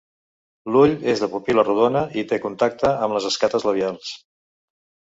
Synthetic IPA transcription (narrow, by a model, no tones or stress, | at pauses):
luʎezðəpupiləruðonəʔit̪ekunt̪ak̚t̪əəmləzəskat̪əzləβialˠs